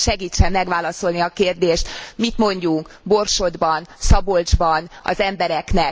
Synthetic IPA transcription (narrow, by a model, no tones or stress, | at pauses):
ʃɛɡiːt͡ʃːɛmːɛɡʋaːlɒso̞lniɒkeːrd̪eːʃt̪mit̪mo̞ɲɟuŋk | bo̞rʃo̞d̪bɒnsɒbo̞ld͡ʒbɒnɒ̰zɛmbɛɾɛknɛ